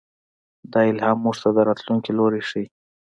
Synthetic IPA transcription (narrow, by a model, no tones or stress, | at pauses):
d̪ɑɪlhɑmːuʐt̪ad̪əɾɑt̪luŋkiloɾeʂij